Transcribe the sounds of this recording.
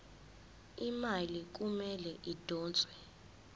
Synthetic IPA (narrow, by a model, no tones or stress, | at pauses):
imalik̬umɛlɛʔid̥ʱɔːnt͡sʼwɛ